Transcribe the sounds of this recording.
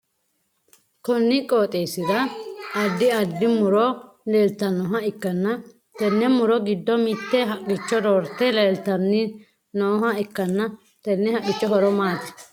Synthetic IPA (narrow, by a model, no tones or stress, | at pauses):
kɔnːɪkʼoːt̪ʼeːsɪd̪ɐɐd̪ːɪɐd̪ːɪmʊɾɔ | leːlt̪ɐnːɔɦɐɪkːɐnːɐ | t̪ɛnːɛmʊɾɔɡɪd̪ːɔmɪt̪ːɛɦɐkʼːɪt͡ʃːɔɾoːɾt̪ːɛleːlt̪ɐnːɪ | noːɦɐɪkːɐnːɐ | t̪ɛnːɛhɐkʼːɪt͡ʃːɔɦɔɾɔmaːt̪ːɪ̥